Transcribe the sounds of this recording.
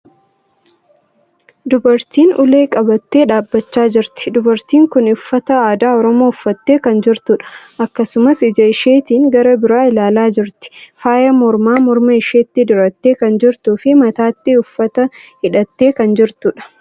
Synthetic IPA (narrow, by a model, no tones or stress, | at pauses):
d̪ʊbɐɾt̪iːnʊleːkʼɐbɐt̪ːe̞ːᶑaːbːɐt͡ʃːaːd͡ʒɪɾt̪ɪ̥d̪ʊbɐɾt̪iːŋkʊnʊfːɐt̪ɐaːd̪aːɔɾɔmo̞ːʊfːɐt̪ːe̞ːkɐnd͡ʒɪɾt̪ʊᶑɐ̥ʔɐkːɐsʊmɐsɪd͡ʒɐɪʃeːt̪iːŋɡɐɾɐbɪɾaːɪlaːlaːd͡ʒɪɾt̪ɪ̥faːjɐmɔɾmaːmɔɾmɐɪʃeːt̪ːɪd̪ʊɾɐt̪ːeːkɐnd͡ʒɪɾt̪uːfɪmɐt̪aːt̪ːɪʊfːɐt̪ɐhɪᶑɐt̪ːe̞ːkɐnd͡ʒɪɾt̪ʊᶑɐ̥